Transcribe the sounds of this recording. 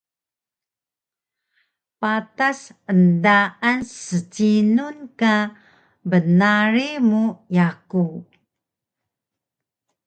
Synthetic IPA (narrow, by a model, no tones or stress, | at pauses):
patasəndaansət͡sinunka | bənaɾimujaku